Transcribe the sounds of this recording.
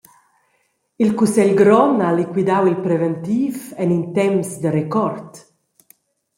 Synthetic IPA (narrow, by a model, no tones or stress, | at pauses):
ilkusɛlɡɾɔnalikwid̪awilpɾɛvɛnt̪iːvɛnint̪ɛmsd̪əɾekɔɾt̪